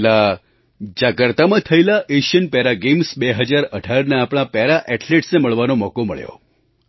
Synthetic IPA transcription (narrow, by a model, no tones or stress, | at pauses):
la | d͡ʒakəɾt̪amãt̪ʰəjlaʔeʃənpɛɾaɡemsbeɦəd͡ʒaɾəɖʱaɾnaːpɽ̃ãpɛɾaʔɛʈleʈsneməɭʋanomɔkomə̰ɭjo̰